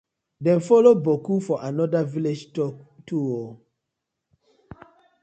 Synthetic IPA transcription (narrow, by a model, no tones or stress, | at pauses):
dɛ̃nfɔlobokufɔʔanɔdaviled͡ʒtɔtʰuwɔ